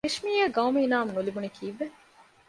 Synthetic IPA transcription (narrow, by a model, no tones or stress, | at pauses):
eʃmiːjɐɡɐwmeinaːmnulibunikʰiːʋːe